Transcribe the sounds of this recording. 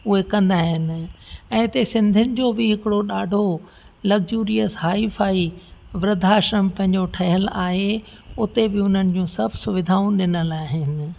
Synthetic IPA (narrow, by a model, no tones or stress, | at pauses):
ʊɦekɐ̃nd̪aːɦɪnɪ̆ɛ̃ːɪt̪esɪ̃nd̪ʱʊnɪ̆d͡ʑoːbɪɦɪkɪɽoɗaːɖʱo | lɐɡd͡ʑuːɾijəsɦaːifaːiʋɾɪd̪ʱaːʃɾəmpɐ̃ɦɪ̃ɲd͡ʑoʈʰɐɦɪəlaːɦe | ʊt̪ebɪʊn̤ənɪ̆d͡ʑũːsɐbʱsʊʋɪd̪ʱaːũɗɪnəlaːɦɪnɪ̆